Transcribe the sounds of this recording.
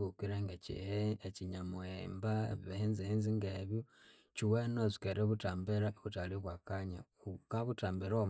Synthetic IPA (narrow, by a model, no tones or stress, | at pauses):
βukiɾeŋɡecḭheeciɲamoembaββeheːnziheːnziŋɡeβjo | ciwenozi̥keɾeβutaːmbeɾaoβutaliβwakaɲa | kaβutaːmbeɾom